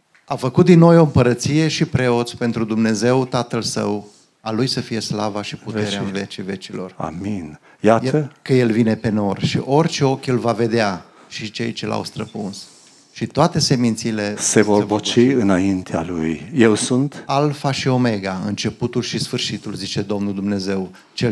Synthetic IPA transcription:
afəkut̪̚d̪inːo̞jo̞ɨmpəɾət̪sije̞ʃipɾe̞o̞t̪sʲpe̞nt̪ɾud̪umne̞ze̞wt̪at̪əlsə̰w | alujsəfije̞slavaʃiput̪e̞ɾeeanvet͡ʃive̞t͡ʃilo̞̰ra̰min | jat̪əkəje̞lvine̞pe̞no̞rʃḭʔo̞rʲt͡ʃe̞o̞kʲelvave̞d̪ea | ʃit͡ʃe̞jt͡ʃe̞lʔa̰wst̪ɾəpuns | ʃit̪oat̪e̞se̞mint̪sile̞se̞vorbot͡ʃiɨnaint̪ʰea̰lujjewsunt̪alfaʃio̞me̞ɡaɨ̰nt͡ʃe̞put̪ulʃisfɨrʃit̪ulzit͡ʃe̞d̪o̞mnuld̪umne̞ze̞w | t͡ʃe

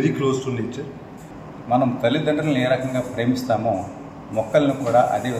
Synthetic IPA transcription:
ɾikloːsʈunːiːt͡ʃːɐɾ | mɐnɐmt̪ɐlid̪ɐɳɖɐnɐleːɾɐkɐŋɡaːpɾeːmist̪aːmoː | mɔkːɐlɐnikuːɽa̰ːʔɐ̰ɽiʋɐ

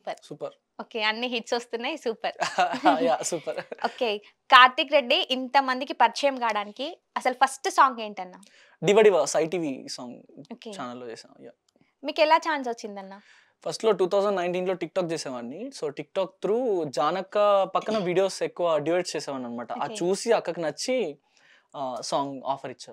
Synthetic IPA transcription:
uːpɐɾsuːpɐɾ | oːkeːɐnːiɦiʈsost̪unːaːjsuːpɐɾaajaːsuːpɐɾoːkeː | kaːɾʈikɾeɖːiʔint̪ɐmɐnd̪ikipɐɾt͡ʃɐjɐmkaːɽaːniki | ɐsɐlupʰɐsʈsaːŋɡeːɳʈɐnːaː | ɖiʋɐɽiʋasɐjʈiːʋisaːŋɡoːkeːt͡ʃaːnɐlːoːt͡ʃɛːsa̰ːja̰ː | miːkɛlaːt͡ʃaːnsɐt͡ʃːind̪ɐnːaː | pʰɐsʈlo̞ːʈuːt̪ʰɐwsɐɳɖnɐjɳʈiːnlo̞ːʈik̚ʈaːk̚t͡ʃeːsɛːʋaːnːisoːʈik̚ʈaːk̚t̪ɾuːd͡ʒaːnɐkːɐpɐkːɐnɐʋiːɖijoːsekːuʋɐɖiʋeːʈst͡ʃeːsɛːʋaːnɐnːɐmaːʈɐʔaːt͡ʃuːsiɐkːɐkɐnɐt͡ʃːi | saːŋɡa̰ːpʰɐɾit͡ʃːaːɾ

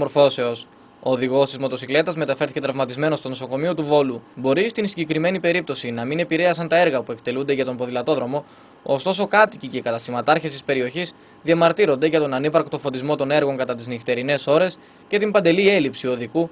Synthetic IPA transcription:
mo̞ɾfo̞se̞o̞s | oːðiɣo̞st̪izmo̞t̪o̞sikle̞t̪ɐzme̞t̪ɐfe̞ɾθi̥ce̞t̪ɾɐvmɐt̪izme̞nost̪o̞no̞soko̞mio̞t̪uvo̞lubo̞ɾist̪insiɲɟe̞kɾime̞nipe̞ɾip̚t̪o̞sinɐmine̞piɾe̞ɐsɐnt̪ɐe̞ɾɣɐpue̞kt̪e̞lund̪e̞ʝɐt̪o̞mpo̞ðilɐt̪o̞ðɾo̞mo̞ | ost̪o̞so̞kɐt̪icicekɐt̪ɐst̪imɐt̪ɐɾçest̪ispe̞ɾio̞çis | ðiɐmɐɾt̪iɾo̞nd̪e̞ʝɐt̪o̞nɐnipɐɾkt̪o̞fo̞t̪izmo̞t̪o̞ne̞ɾɣo̞ŋkɐt̪ɐt̪̬iznift̪e̞ɾine̞so̞ɾe̞s | ce̞t̪imbɐnd̪e̞lie̞lipsio̞ðiku

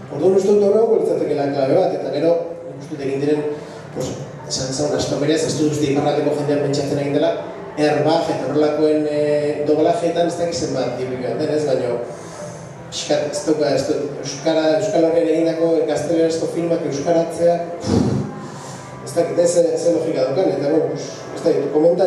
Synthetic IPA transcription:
o̞ɾðunust̪eut̪oreawkolit͡sat̪e̞ke̞laklaβe̞β̞at̪e̞t̪aɣe̞ɾo̞nikust̪eut̪e̞ɣ̞ind̪iɾe̞n | pos | esanseɣunast̪omeɾiasest̪ut̪ust̪iiparat̪eko̞ʝe̞nd̪eape̞nt͡ʃat͡se̞naɣind̪e̞la | erβaxe̞t̪aorelako̞e̞nd̪o̞βlaxeet̪ane̞st̪akise̞mbat̪̚d̪iβuʎoat̪enezβaɲo̞ | pi̥ʃkat̪e̥st̪ewkaest̪eewskaɾaewskalokeɾaeɣind̪ako̞ɡast̪e̞leɾasko̞filmake̞wskaɾat͡se̞a | est̪akit̪eseselo̞xikaðawkanet̪aβonpos | est̪akit̪ko̞me̞nt̪a

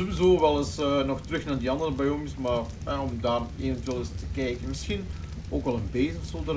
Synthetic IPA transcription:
zowizoːʋɛlˠəsənɔxtrʏxnaːrdiɑndərəbɛjɔmɪsmaːr | ɦɛɔmdaːreːvəntʋeːlˠəstəkɛjkənmɪsxin | oːkɑlˠənbeːzəxsotər

